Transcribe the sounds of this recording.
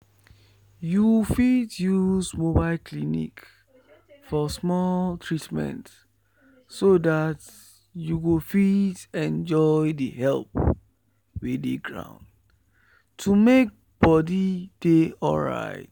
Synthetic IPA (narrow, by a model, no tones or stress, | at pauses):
juwfidjuzmobaɪlkʰlinḭk | fɔsmɔltʰɹitmɛ̰̃nt | sodat | juwifidɛ̃nd͡ʒɔɪdəhɛlp | wedḛɡɹã̰ʊ̃nd | tʰumek̚ | b̥ɔdid̥eɔ̰lɹa̰ɪt̚